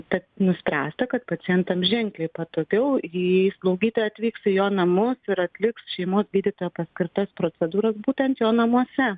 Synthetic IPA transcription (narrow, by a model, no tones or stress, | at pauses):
t̪ɐt̪nʊsʲpʲɾʲæːst̪ɐkɐt̪pɐt͡s̪ʲɪjɛnt̪ɐmʒʲɛŋklʲeɪpɐt̪oːkʲɛʊislˠɐʊɡʲiːt̪oːjɛɐt̪ʲʋʲiːksɪjoːnɐmʊsɪɾɐt̪ʲlʲɪksʃʲɛɪmoːsɡʲiːd̪ʲɪt̪oːjɛpɐsʲkʲɪɾt̪ɐspɾoːt͡s̪ʲɛd̪uːɾɐsbuːt̪ʲɛnt̪joːnɐmuɔsʲɛ